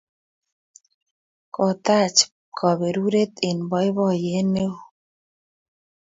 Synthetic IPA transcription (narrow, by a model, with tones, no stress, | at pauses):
kɔ˨t̪a˦˨t͡ʃ | kʰɔ˨be˨ɾu˦ɾe˦t̪e˨nbɔ˦ɪ˦bɔ˦˨je˨˦ne˦˨